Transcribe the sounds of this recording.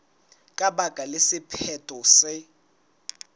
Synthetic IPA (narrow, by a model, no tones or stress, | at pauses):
kʼabakʼalɪsɪpʰɛtʼɔsɪ